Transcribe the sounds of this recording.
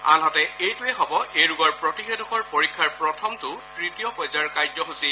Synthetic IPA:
a̰nɦatɛejtʊɛɦɔbɔʔejɹuɡɔɹpɹɔtixedɔkɔɹpoɹikʰːaɹpɹɔtʰɔmtʊtɹitijɔpɔjzaɹkajzɔɦusil

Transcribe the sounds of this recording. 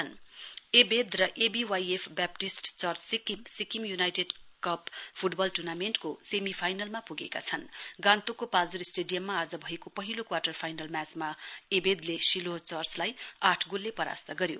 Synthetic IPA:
ʌnebed̪rʌʔebiwajepʰbap̚ʈisʈt͡sʌrt͡sikimsikimjunajʈeɖkʌppʰuʈbʌlʈurnamenʈkosemipʰajnʌlmapuɡḛka̰t͡sʰʌnɡãnt̪okopald͡zuɾisʈeɖijʌmːaaːd͡zʌbʱʌekopʌɦilokwaʈʌrpʰajnʌlmat͡smaebed̪lesilot͡sʌrt͡slajaʈʰɡulːepʌɾa̰st̪ʌɡʌɾjo̰

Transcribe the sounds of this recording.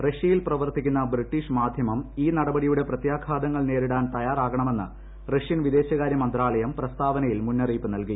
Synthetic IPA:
reʂjɐjilprɐʋɐrt̪ikʲːunːɐbriʈːiʂmaːd̪ʱjɐmɐmiːnɐɽɐbɐɽijuɽe̞prɐt̪jaːkʰaːd̪ɐŋːɐɭne̞ːɾiɽaːnt̪ɐjaːraːɣɐɳɐme̞nːɨ̰ | reʂjɐnʋid̪e̞ːɕɐɣaːɾjɐmɐnd̪raːɭɐjɐmprɐst̪ʰaːʋɐnɐjilmunːɐriːpːɨnɐlki

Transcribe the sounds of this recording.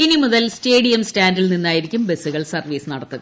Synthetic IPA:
inimuðɐlsteːɽijɐmstaːndilninːaːjiɾikʲːumbe̞suɣɐɭsɐrʋiːsɨnɐɽɐt̪ːuɣɐ

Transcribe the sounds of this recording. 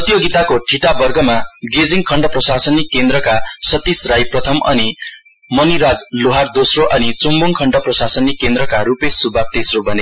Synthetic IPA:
ʌt̪joɡit̪akoʈʰiʈabʌrɡʌmaɡed͡ziŋkʰʌɳɖʌprʌsasʌnikend̪rʌkasʌt̪ːisrajprʌt̪ʰʌmʌ̰ni | mʌniɾad͡zloɦard̪osroʔʌnit͡sumbuŋkʰʌɳɖʌprʌsasʌnikend̪ɾʌkaɾupesːubʱak̚t̪esrobʌne

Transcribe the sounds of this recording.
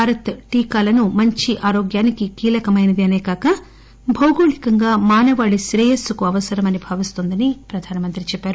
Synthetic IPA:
bʱaːɾɐt̪ʈiːkaːlɐnumɐɲt͡ʃiʔaːɾoːɡjaːnikikiːlɐkɐmɐjnɐd̪iɐneːkaːkɐ | bʱɐwɡoːɭikɐŋɡaːmaːnɐʋaːɭiʃɾɛːjɐsːukuɐʋɐsɐɾɐmɐnibʱaːʋist̪oːnd̪ɐnipɾɐd̪ʱaːnɐmɐnt̪ɾit͡ʃɛpːaːɾu

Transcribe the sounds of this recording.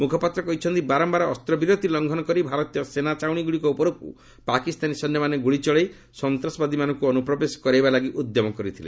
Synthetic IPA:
mukʰɔpat̪ɾɔkɔɦit͡ʃʰɔnt̪ibaɾɔmbaɾɔːst̪ɾɔbiɾot̪ilɔŋɡʱɔnɔkɔɾibʱaɾɔt̪ijɔsenat͡ʃawɽ̃iɡuɽikɔupɔɾok̚ṵ | pakist̪anisɔnjɔmaneɡuɭit͡ʃɔɭej | sɔnt̪ɾɔsɔbad̪imanɔŋkuɔnupɾɔbeskɔɾejbalaɡiʔud̪jɔmɔkɔɾit̪ʰilḛ

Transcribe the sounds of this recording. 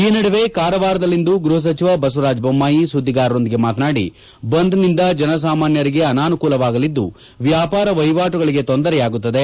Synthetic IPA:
iːnɐɽɐʋe̞kaːɾɐʋaːɾɐd̪ɐlːind̪uɡɾuɦɐs̬ɐt͡ʃiʋɐbɐs̬uɾaːd͡ʒbɐmːaːjisud̪ʱːiɡaːɾɐɾo̞nd̪iɡe̞maːt̪naːɽḭ | bɐnd̪nind̪ɐd͡ʒɐnɐs̬aːmaːnjɐɾiɡe̞ɐnaːnukuːlɐʋaːɡɐlid̪ːu | ʋjaːpaːɾɐʋɐjʋaːʈuɡɐɭiɡe̞t̪ond̪ɐɾɛjaːɡut̪ːɐd̪e̞

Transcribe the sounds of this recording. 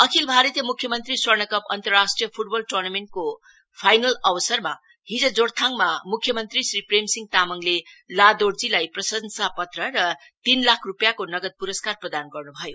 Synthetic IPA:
ʌkʰilbʱaɾʌt̪jʌmukʰːjʌmʌnt̪riswʌrnʌkʌpʌ̰nt̪ʌrːasʈrijʌpʰuʈbʌlʈornameɳʈ̚ko | pʰajnʌlʌbʌsʌrma | ɦid͡zʌd͡zoɽt̪ʰaŋmamukʰːjʌmʌnt̪risripremsiŋɡ̚t̪amʌŋlelad̪oɽd͡zilajprʌsʌnsapʌt̪rʌɾʌ | t̪inlakʰrupjakonʌɡʌd̪̚puɾʌskarprʌd̪anɡʌrnubʱʌjo

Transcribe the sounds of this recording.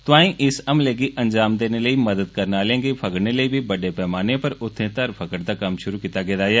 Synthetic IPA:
t̪ʊãːĩʔɪsɐmleːɡiʔɐ̃ɲd͡ʒaːmd̪eːneləimɐd̪əd̪̚kɐɾnaːlẽːŋɡepʰɐkəɽneləibʱibɐɖepɛːmaːnepɐɾʊt̪ʰːẽt̪ɐɾpʰɐkəɽd̪akɐmʃʊɾukiːt̪aɡɛːd̪aːjaː

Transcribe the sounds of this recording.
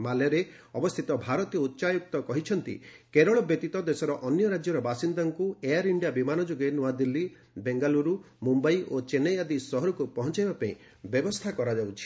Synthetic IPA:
maleɾe | ɔbɔst̪ʰit̪ɔbʱaɾɔt̪ijɔut̪ːʃajuk̚t̪ɔkɔɦit͡ʃʰɔnt̪ḭkeɾɔɭɔbjɔt̪it̪ɔd̪esɔɾɔʔɔnjɔɾad͡ʒjɔɾɔbasind̪aŋkuejaɾiɳɖijabimanɔd͡ʒoɡenuad̪ilːi | beŋɡaluɾu | mumbajʔot͡ʃenejad̪isɔɦɔɾukupɔɦɔnt͡ʃajbapaḭ̃ | bjɔbɔst̪ʰakɔɾad͡ʒawt͡ʃʰi̥

